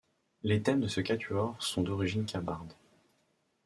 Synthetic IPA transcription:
let̪ɛmd̪əsəkʲat̪ʰyɔʁsɔ̃d̪ɔʁiʒinkʰʲabaʁd̪

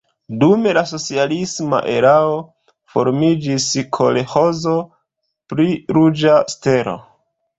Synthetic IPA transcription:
dume̞laso̞t͡sialisma̰ʔe̞ɾao̞ | fo̞̰ɾmid͡ʒiskʰo̞leho̞zo | pɾiɾud͡ʒaste̞ɾo̞̰

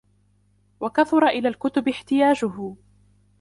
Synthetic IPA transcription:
wakaθʊɾˤɑʔɪlaːlkʊt̪ʊbɪħt̪ɪjaːd͡ʒʊɦʊ

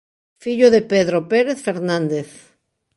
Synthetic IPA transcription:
fiʎoðepeðɾopeɾeθfeɾnãnd̪eθ

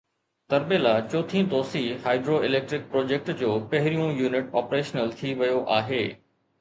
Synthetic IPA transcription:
t̪ɐɾbeːlaːt͡ɕoːt̪ʰĩd̪oːsihaːɪɖɾoɪleːk̚ʈɾɪk̚pɾoːd͡ʑeːk̚ʈd͡ʑoːpɐɦɪɾijũjuːnɪʈɔːpɾeːʃnəlt̪ʰiʋɐjoʔaːɦeː

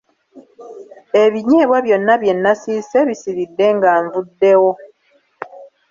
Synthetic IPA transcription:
e̞βiɲe̞ːβwaβjo̞nːaβje̞nːasiːse̞βisiɾidːe̞ŋɡaːɱvudːe̞wo̞

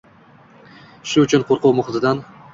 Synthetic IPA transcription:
ʃʊʊt͡ʃʰʊnqʰoɾqʊwmʊχɪt̪ʰɪd̪an

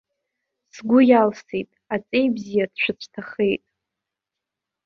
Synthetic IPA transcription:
sɡʷʊjalsejtʼat͡sʼe̞jbzijad̥ʃʷɨt͡sʷʰtʰaχe̞jtʼ

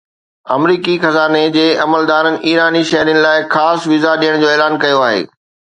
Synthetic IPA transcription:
ɐ̰mɾiːkixɐzaːned͡ʑeːɐməld̪aːɾənɪ̆ʔiːɾaːniʃɐɦɾijənɪ̆laːɪxaːsʋɪzaɗijəɽ̃d͡ʑoːeːlaːnkɐjoaːɦḛː

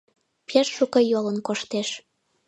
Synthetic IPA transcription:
peʃːukɤjolənkoʃt̪eʃ

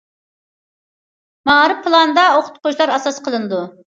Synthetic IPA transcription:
mɑɾɨpʰːɨlˠɑnd̪ɑoqʰʊ̥t̪̚qʰʊʃlˠɑɾɑsɑsqʰəlˠɨnɨd̪u

